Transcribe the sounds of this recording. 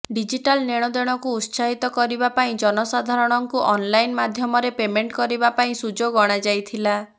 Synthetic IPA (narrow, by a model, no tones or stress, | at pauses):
ɖid͡ʒiʈalneɽ̃ɔd̪eɽ̃ɔkuut̪saɦit̪ɔkɔɾibapaĩd͡ʒɔnɔsad̪ʱaɾɔɽ̃ɔŋkuʔɔnlajnmad̪ʱjɔmɔɾepemeɳʈkɔɾibapaĩsud͡ʒoɡɔɽ̃ad͡ʒajt̪ʰila